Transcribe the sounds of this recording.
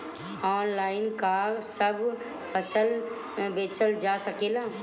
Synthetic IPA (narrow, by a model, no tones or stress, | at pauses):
ɔːnlaːɪnkasəb | pʰəsəl | beːt͡ʃəld͡ʒaːsəkeːlaː